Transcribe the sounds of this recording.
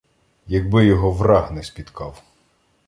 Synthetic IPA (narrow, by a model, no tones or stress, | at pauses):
jɐɡbɪjɔɦɔʋrɑhnɛspʲit̪kʰɑw